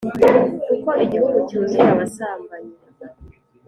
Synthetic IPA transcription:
ukoʔiɟihuɡucuːziaβasaːmbaɲi

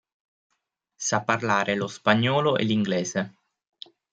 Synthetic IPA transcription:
sapːarlaːɾelospaɲːɔːloʔḛliŋɡlɛːze

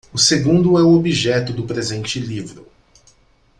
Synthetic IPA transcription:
ʊseɡũnd̪ʊɛʊobiʒɛt̪ʊd̪ʊpɾezẽnt͡ʃɪlivɾʊ

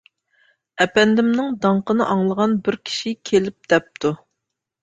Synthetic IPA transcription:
ɛpɛnd̪ɪmnɪŋd̪ɑɴqənɨʔɑŋlˠəʁɑnbɪɾkʲʰi̥ʃikʲʰelɪp̚d̪ɛp̚t̪ʰu

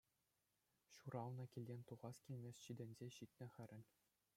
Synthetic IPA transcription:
ɕuɾɑlˠnɤ̆kʲilʲdʲenʲt̪uʁɑskʲilʲmʲesʲɕid̪ʲɘ̆nʲzʲeɕit̪ʲnʲɘ̆χɘ̆ɾʲɘ̆nʲ

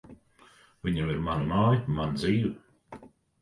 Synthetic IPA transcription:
viɲamiɾmanamajmand̪ziːv

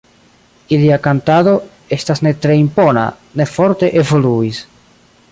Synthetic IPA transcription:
iliakantado̞ | e̞stasne̞tɾe̞impo̞na̰ | ne̞fo̞ɾte̞ʔe̞vo̞luis

